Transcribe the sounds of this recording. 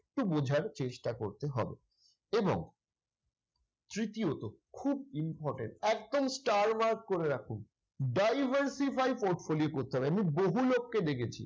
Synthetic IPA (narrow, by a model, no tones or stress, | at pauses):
k̚ʈubod͡ʑʱaɾt͡ɕeʃʈakoɾt̪eɦɔ̰bḛ | ebo̰ŋ | t̪ɾit̪iot̪okʰub̚impɔɾʈḛɳʈɛkd̪omsʈaɾmaɾk̚koɾeɾakʰun | ɖajbʱaɾsifajpoɾʈfoliokoɾt̪eɦɔbeamiboɦulokːed̪ekʰet͡ɕʰḭ